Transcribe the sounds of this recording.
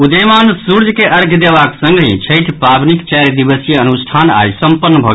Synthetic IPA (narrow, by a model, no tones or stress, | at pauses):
ud̪əmansuɾd͡ʒʱkeʔəɾɡʱd̪ebaksə̃ŋɡɦḭ̃t͡ʃʰəjʈʰpɾabnikt͡ʃɛɾd̪ibəsijeənusʈʰana̰jsəmpənːəbʱɔɡ